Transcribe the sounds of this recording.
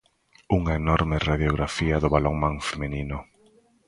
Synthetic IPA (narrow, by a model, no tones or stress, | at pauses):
uŋɐenɔɾmɪraðjoɣɾafiɐðʊβaloŋmãŋfemeninʊ